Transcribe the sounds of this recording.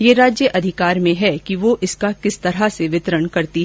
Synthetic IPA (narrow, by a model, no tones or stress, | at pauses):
jeːɾaːd͡ʒjəʔɐd̪ʱɪkaːɾmẽɦɛkiʋoʔɪskakɪst̪ɐɾaseʋɪt̪ɾəɳkɐɾt̪iɦ